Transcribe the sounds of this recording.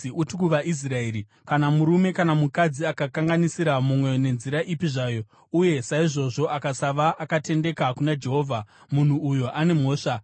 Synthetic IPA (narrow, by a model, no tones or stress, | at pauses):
iʔutikuʋaʔis̬raeːɾi | kanamuɾume̞kanamukad͡ziakakaŋɡanisiɾamumwe̞ne̞nziɾaʔipiʐaːjo̞ | uje̞saiʐo̞ʐo̞ʔakasaʋaːkate̞nde̞kakunad͡ʒe̞ɦo̞ːvʱamun̤uːjoʔane̞mo̞ːʂa